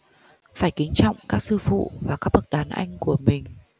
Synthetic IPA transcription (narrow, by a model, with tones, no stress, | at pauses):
faː˧˩jkï˨˦ŋ̟t͡ɕɔ̰˧˨wŋ͡mkaː˦˥k̚sɨ˧fṵ˧˨vaː˨˩kaː˦˥k̚ɓə˨˩ɗaː˨˦nʔa˧jŋ̟ku˧˩əmï˨˩ŋ̟